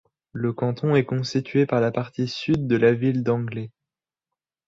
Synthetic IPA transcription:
ləkɑ̃t̪ɔ̃ɛkɔ̃st̪it̪ʰɥepaʁlapaʁt̪isyd̪ːəlavild̪ɑ̃ɡlɛ

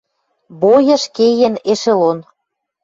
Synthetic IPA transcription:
bojɤ̆ʃkejeneʃelon

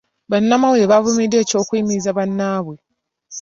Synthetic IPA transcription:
βanːamawɾeβavumide̞ːco̞ːkwiːmiizaβanːaːβwe

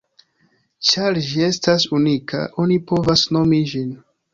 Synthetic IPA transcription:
t͡ʃaɾd͡ʒie̞stasunikʰa̰ʔo̞nipo̞vasno̞mid͡ʒin

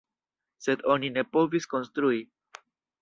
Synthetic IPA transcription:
se̞do̞nine̞po̞visko̞nstɾui

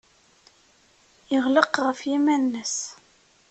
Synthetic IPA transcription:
jəʁləqʁəfjimænːəs

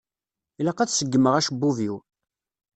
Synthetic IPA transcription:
ilɑqæθsəɡːəməʁæʃbːuviw

